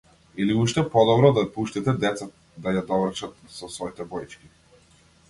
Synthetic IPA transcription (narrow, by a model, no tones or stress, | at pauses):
iliuʃt̪ɛpɔd̪ɔbɾɔd̪apuʃt̪it̪ɛd̪ɛt̪sat̪ | d̪ajad̪ɔvr̩t͡ʃat̪sɔsvɔit̪ɛbɔjt͡ʃkʲi